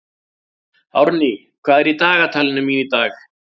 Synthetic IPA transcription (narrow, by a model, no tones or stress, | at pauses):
ɐ̰ɾniː | kaːɾit̪aːɣɐt̪ʰɐlnɐmiːnit̪aːk